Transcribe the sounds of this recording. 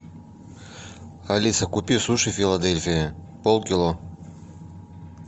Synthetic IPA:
ɐlʲisɐkʊpʲisuʂɨfʲɪlˠɐd̪elʲfʲɪjɪ | polˠkʲilˠo

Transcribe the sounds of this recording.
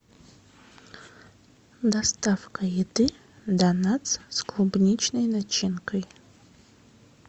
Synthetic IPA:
dastʰafkʰajidɨ | danat͡sʰskʰlubnʲit͡ʃʰnɨjnat͡ʃʰinkʰɨj

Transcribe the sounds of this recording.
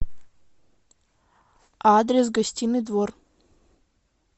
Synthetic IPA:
ad̪rʲes̬ɡɐsʲtʲinːɨd̪vor

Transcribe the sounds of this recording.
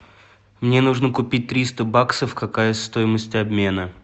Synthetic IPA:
mnʲe̞nuʐnəkʊpʲit̚ʲt̪ɾʲist̪əbaksəfkɐkajəst̪o̞jɪməsʲtʲɐbmʲe̞nə

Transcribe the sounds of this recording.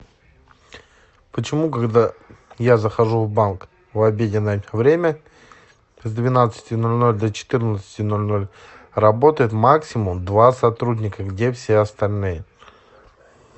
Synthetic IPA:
pət͡ɕɪmukaɡd̪ajazəxɐʐuvbank | vɐbʲedʲɪnːəjʲvɾʲemʲə | zd̪vʲɪnat̪sɨ̥tʲɪno̞lʲno̞lʲd̪ət͡ɕɪ̥t̪ɨrnət̪sɨ̥tʲɪno̞lʲno̞lʲ | rɐbo̞t̪əjɪt̪maksʲɪmʊmd̪vasɐt̪ɾudʲnʲɪkəɡdʲefsʲeɐst̪ɐlʲnɨjə

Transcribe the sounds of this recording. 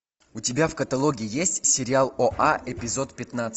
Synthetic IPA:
ʊtʲɪbʲafkət̪ɐlˠoɡʲɪɪjesʲtʲsʲɪɾʲɪalˠoʔaʔɛpʲɪzo̞t̪pʲɪt̪nat̪sʲ

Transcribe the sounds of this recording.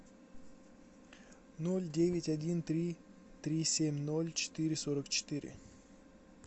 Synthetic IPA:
nolʲdʲevʲɪtʲɐdʲint̪ɾʲi | t̪ɾʲisʲemʲnolʲt͡ɕɪ̥t̪ɨɾʲɪsoɾəkt͡ɕɪ̥t̪ɨɾʲɪ̰

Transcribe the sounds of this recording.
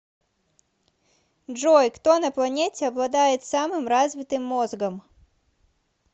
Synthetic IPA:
ʐɔjkt̪ɔnɐplˠɐnʲetʲɪɐblˠɐd̪ajɪt̪samɨmrazvʲɪt̪ɨmːɔzɡɐm

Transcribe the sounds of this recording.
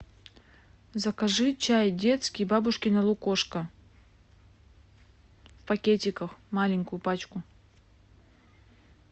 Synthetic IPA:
zɐkɐʐɨt͡ɕajdʲet̪skʲɪjbabʊʂkʲɪnɐlˠʊkoʂkə | fpɐkʲetʲɪkəxmalʲɪŋʲkʊjʊpat͡ɕkʊ

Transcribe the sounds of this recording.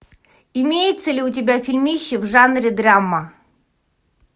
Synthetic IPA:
ɪmʲejɪt̪səlʲɪʊtʲɪbʲafʲilʲmʲiɕːɪvʐanɾʲɪd̪ramːə

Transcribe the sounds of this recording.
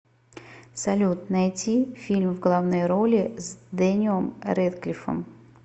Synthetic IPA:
sɐlʲut̪nɐjtʲifʲilʲmwɡlˠawnɔjɾɔlʲizd̪ɛnʲiɔmɾɛd̪klʲifɔ̰m

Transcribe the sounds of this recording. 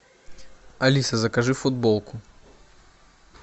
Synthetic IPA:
ɐlʲisɐzɐkɐʐɨfʊd̪̚bolˠkʊ

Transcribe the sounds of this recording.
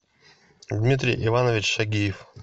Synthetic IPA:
d̪ʲmʲit̪ɾʲɪ̰jʔɪvanəvʲɪt͡ɕʃɐɡʲijɪf

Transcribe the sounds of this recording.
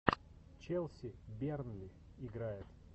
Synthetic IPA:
t͡ɕɛlˠsʲɪbʲernlʲɪ | ɪɡɾajɪt̪

